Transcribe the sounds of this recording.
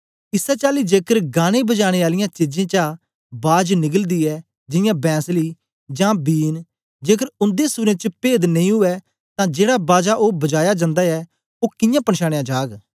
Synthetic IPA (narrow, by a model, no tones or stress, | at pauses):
ɪsɛːt͡ʃaːliːd͡ʒeːkəɾɡaːɽ̃ẽːbəd͡ʒaːɽ̃eːaːlɪjãːt͡ʃɪd͡ʒẽːt͡ʃaː | baːd͡ʒnɪɡəld̪iːɛː | d͡ʒɪjãːbɛ̃ːsliː | d͡ʒãːbiːn | d͡ʒeːkəɾʊ̃nd̪eːsuːɾẽt͡ʃəpeːd̪nə̃ĩɦʊɛː | t̪ãːd͡ʒeːɽaːbaːd͡ʒaːʔoːbɐd͡ʒaːjad͡ʒãːnd̪aːɛː | oːkɪjãːpəɳʃaːɽ̃ẽjãːd͡ʒaːɡ